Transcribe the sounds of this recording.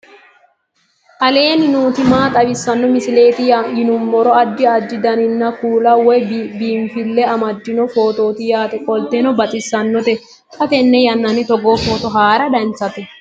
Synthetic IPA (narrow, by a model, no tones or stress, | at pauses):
ʔɐle̞ːnɪnuːt̪ɪmaːt̪ʼɐbɪsːɐnːɔmɪsɪle̞ːt̪ɪjajɪnʊmbɔɾɔɐd͡ʒːɪɐdd͡ʒ̪ːɪd̪ɐnɪnːɐkuːlɐwɔjbiːmfɪlːɛɐmɐd̪ːɪnɔfo̞ːt̪o̞ːt̪ɪjaːt̪ɛkʼɔlt̪ɛnɔbɐt̪ʼɪsːɐnːɔt̪ɛ | kʰʼɐt̪ɛnːɛjɐnːɐnɪt̪ɔɡofoːt̪ɔɦaːɾɐd̪ɐnt͡sːɐt̪ɛ